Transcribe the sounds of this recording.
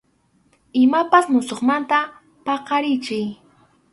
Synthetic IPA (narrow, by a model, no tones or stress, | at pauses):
ɪmapasmʊsoχmant̪a | pɑqɑɾɪt͡ʃɪj